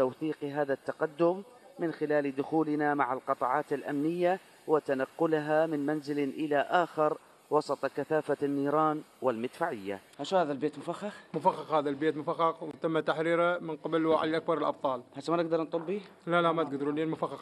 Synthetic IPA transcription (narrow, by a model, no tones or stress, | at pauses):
t̪awθiːqɦaːðat̪ːɑqad̪ːʊmː | ɪnxɪlaːld̪ʊxuːlɪnamaʕalqɑt̪ˤɑʕɑːt̪ɪlʔa̰mnɪjːa | wɪt̪anɑqːʊlɦamɪnmanzɪlʔɪlaʔaːxɪɾ | wɑsˤɑt̪ˤkaθaːfanːiːɾˤɑːnwɪlmɪd̪faʕɪjːa̰haʃhaːðalbeːt̪mʊfaxːɑxmʊfaxːɑxhaːðalbeːt̪mʊfaxːɑqwɪt̪amːat̪aħɾiːɾamɪnqɪblwaʕa̰jʔak̚bɑɾˤɪlʔɑb̚t̪ˤɑːlhat̪ːmanɪɡ̚d̪ɑɾˤnt̪ˤʊbbilalamat̪ɪɡd̪ɾuliːnmʊfaxːɑx